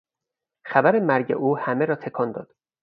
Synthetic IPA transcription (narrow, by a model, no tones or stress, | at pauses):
xæbæɾe̞mæɾɟḛʔuːhæmeɾɒːt̪ʰekʰɒːnd̪ɒ̰ːd̪̥